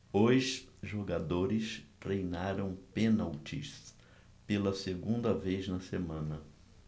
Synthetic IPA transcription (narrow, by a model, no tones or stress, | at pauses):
ojʃʒoɡad̪oɾɪst̪ɾejnaɾɐ̃w̃pẽnawt͡ʃḭs | pelɐseɡũnd̪ɐvejznɐsemɐ̃nɐ